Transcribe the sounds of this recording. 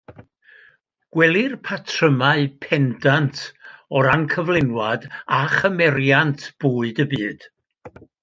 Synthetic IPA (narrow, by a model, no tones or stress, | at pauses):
ɡ̥wɛlˠɪrpʰatʰrəmaɨpʰɛndantʰɔɾankʰəvlˠɪnwadaχəmɛɾjantʰb̥uːɨdəbɨːd̥